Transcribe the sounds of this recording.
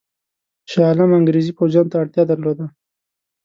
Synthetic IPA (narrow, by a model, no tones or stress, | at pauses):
ʃɑlamaŋɡɾezipowzjɑnt̪aːɽt̪jɑd̪aɾlod̪a